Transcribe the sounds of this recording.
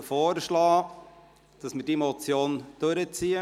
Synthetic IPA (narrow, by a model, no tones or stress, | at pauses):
foːrʃlɑː | d̥ɑsmədimɔt͡sjoːnd̥ɵɾət͡siːə